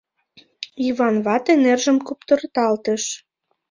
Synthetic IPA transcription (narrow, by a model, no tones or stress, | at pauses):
iβɑnβɑt̪enerʒəmkupt̪ərt̪ɑlt̪əʃ